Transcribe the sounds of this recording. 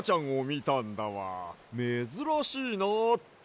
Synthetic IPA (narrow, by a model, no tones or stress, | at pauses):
t͡ɕãɰ̃o̞mʲit̪ãnd̪aβa̰mezɨɾaɕiːnat̪